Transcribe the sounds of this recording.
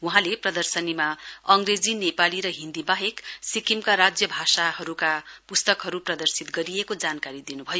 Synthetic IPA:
wuɦãleprʌd̪ʌrsʌnimaʌŋɡred͡zinepaliɾʌɦind̪ibaɦeksikimkaɾad͡zjʌbʱasaɦʌɾukapust̪ʌkɦʌɾuprʌd̪ʌrsit̪ɡʌɾiekod͡zankaɾid̪inubʱʌjo

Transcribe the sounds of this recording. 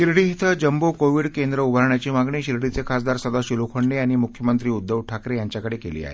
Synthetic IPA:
ɕiɾɽiːɦit̪ʰəd͡ʑəmbokoʋiːɽkend̪ɾəubʱəɾɳjat͡ɕiːmaɡɳiːɕiɾɽit͡sekʰasd̪aɾsəd̪aɕilukʰəɳɖeaɽ̃imukʰjəmənt̪ɾiːud̪ːəʋʈʰakɾejaɲt͡ɕjakəɽekelḭːa̰e

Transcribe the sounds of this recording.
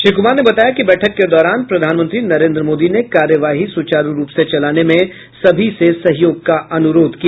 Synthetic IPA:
ʃɪɾkʊmaːɾnebɐt̪aːjakibɛːʈʰəkːed̪ɔːɾaːnpɾɐd̪ʱaːnmə̃nt̪ɾinɐɾẽːnd̪ɾəmoːd̪inekaːɾjəʋaːɦisʊt͡ʃaːɾuɾuːpset͡ʃɐlaːnemẽ | sɐbʱisesɐɦjoːɡ̚kaʔɐnʊɾoːd̪ʱkia

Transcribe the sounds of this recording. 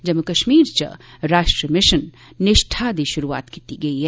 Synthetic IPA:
d͡ʒɐmːukɐʃmiːɾt͡ʃɐ̰ɾaːʃʈɾəmɪʃənː | ɪʃʈʰad̪iʃʊɾua̰ːt̪kit̪iɡɐiɦɛ

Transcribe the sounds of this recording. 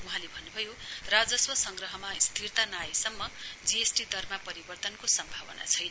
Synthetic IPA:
uɦãlebʱʌnːubʱʌjorad͡zʌswʌsʌŋɡrʌɦʌmaist̪ʰirt̪anajesʌmːʌd͡ziesʈid̪ʌrmapʌɾibʌrt̪ʌnkosʌmbʱabʌna̰t͡sʰʌjn

